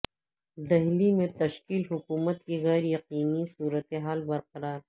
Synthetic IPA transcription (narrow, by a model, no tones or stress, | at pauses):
d̪ɐɦlimẽt̪ɐʃkiːlɦʊkuːmət̪̚kiɣɛːɾjɐqiːnisuːɾət̪eɦaːlbɐɾqɐɾaːɾ